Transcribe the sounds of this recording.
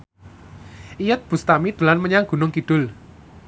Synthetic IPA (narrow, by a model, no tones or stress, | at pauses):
ʔijət̪̚b̥ṳst̪amid̪̥ə̤lanməɲaŋɡ̥ṳnʊŋkid̪̥ʊ̤l